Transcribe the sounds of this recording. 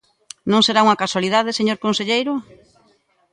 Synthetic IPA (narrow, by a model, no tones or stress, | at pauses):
nõŋseɾauŋakaswaliðað̞eseɲoɾkõnseʎejɾʊ